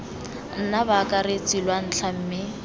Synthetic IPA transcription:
n̩nabakʼaɾet͡sʼilwan̩t͡ɬʰam̩ːmɪ

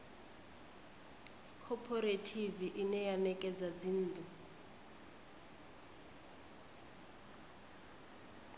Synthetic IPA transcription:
kʰɔpʰɔɾetʰiviʔinɛjanɛkʼɛd͡zad͡zin̩ːd̪u

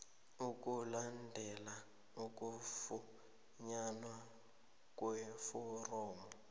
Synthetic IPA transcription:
ukʼulandʱɛla | uk̬ʼuffu | ɲanwa | k̬ʼwɛfɔrɔːmɔ

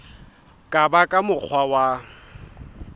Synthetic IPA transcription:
kʼabakʼamʊk͡xʰwawa

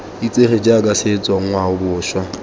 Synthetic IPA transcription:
it͡sʼeχed͡ʒakʼaset͡sʼwɔŋ̩ŋwaʊbʊːʃwa

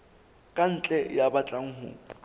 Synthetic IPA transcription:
kʼan̩t͡ɬʼɛjabat͡ɬʼaŋ̩ɦʊ̰ː

